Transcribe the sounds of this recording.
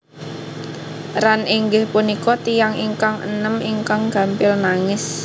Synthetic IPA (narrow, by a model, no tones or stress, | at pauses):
ɾanʔiŋɡɪhpunikɔt̪ijaŋiŋkaŋə̰nəmiŋkaŋɡ̥a̤mpɪlnaŋɪs